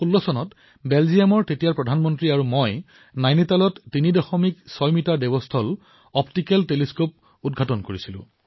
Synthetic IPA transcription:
xulːɔsɔnɔt | belzijamɔɹtetijaɹpɹɔdʱanmɔntɹiaɹumoj | najnitalɔtːinidɔxɔmiksɔjmitaɹdebɔstʰɔl | ɔptikɛlteliskop̚ | udɡʱatɔnkoɹisilʊ̰̃

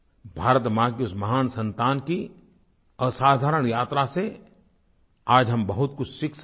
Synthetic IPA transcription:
bʱaːɾət̪mãkiʊsmɐɦaːnsɐ̃nt̪aːnki | əsaːd̪ʱaːɾəɽ̃jaːt̪ɾase | aːd͡ʒɦɐmbɐɦʊt̪kʊt͡ʃʰsɪks

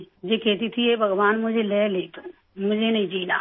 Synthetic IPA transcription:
d͡ʒekɛːt̪it̪ʰiebʱɐɡwaːnmʊd͡ʒʱeleːleːt̪o | mʊd͡ʒʱenɐɦĩd͡ʒiːna̰ː

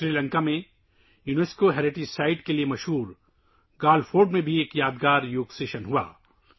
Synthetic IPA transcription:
ʃɾiːlə̃ŋkamẽ | juneːskoɦɛːɾeʈisaːɪʈkeliemɐʃɦuːɾ | ɡaːlfoːɾɖmẽbʱieːkjaːd̪ɡaːɾjoːɡseːʃənɦua̰ː

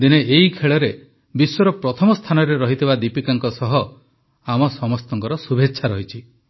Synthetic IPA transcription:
d̪ineʔeɦikʰeɭɔɾe | biswɔɾɔpɾɔt̪ʰɔmɔst̪ʰanɔɾeɾɔɦit̪ʰibad̪ipikaŋkɔsɔɦɔ | amɔsɔmɔst̪ɔŋkɔɾɔsubʱetːʃʰaɾɔɦit͡ʃʰi

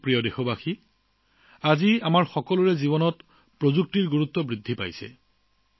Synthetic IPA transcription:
pɹijɔdexɔbaxi | aziamaɹxɔkɔlʊɹɛzibɔnɔt | pɹozuk̚tiɹɡuɹut̪ːɔbɹidʱːipa̰jsɛ̰

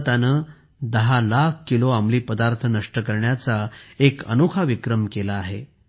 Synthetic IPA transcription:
t̪anəː | d̪əɦalakʰkːiloamliːpəd̪aɾt̪ʰənəʂʈəkəɾɳjat͡saekə̰nokʰaʋikɾəmkelaːɦḛ

